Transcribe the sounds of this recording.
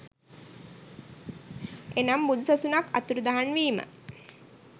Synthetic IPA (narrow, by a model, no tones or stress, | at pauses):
enambud̪usasunaka̰t̪uɾud̪aɦanʋiːmə̰